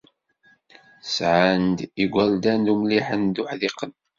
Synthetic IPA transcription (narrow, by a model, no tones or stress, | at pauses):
sʕand̪iɡʷæld̪ænd̪umliħənd̪ʊħðiqːən